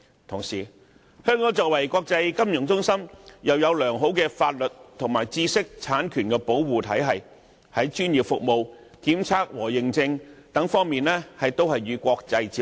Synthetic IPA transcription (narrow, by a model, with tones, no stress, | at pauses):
t̪ʰʊ˨˩ŋsiː˨˩ | hœː˥ŋkɔː˨˥ŋt͡sɔː˨k̚wɐ˨˩jkʷɔː˧k̚t͡sɐ˧jkɐ˥mjʊ˨˩ŋt͡sʊ˥ŋsɐ˥mjɐ˨wjɐ˨˧wlœː˨˩ŋɦo˨˥wkɛː˧faː˧t̚lɵ˨t̚t̪ʰʊ˨˩ŋmaː˨˩jt͡siː˥sɪ˥k̚t͡sʰaː˨˥nkʰyː˨˩nkɛː˧po˨˥wwuː˨t̪ʰɐ˨˥jɦɐ˨j | hɐ˨˥jt͡ʃyː˥njiː˨˩p̚fʊ˨k̚mo˨˧wkiː˨˥mt͡sʰaː˥k̚wɔː˨˩jɪ˨ŋt͡sɪ˧ŋt̪ɐ˨˥ŋfɔː˥ŋmiː˨nɛː˥hɐ˨jt̪o˥whɐ˨jːyː˨˧kʷɔː˧k̚t͡sɐ˧jt͡siː˧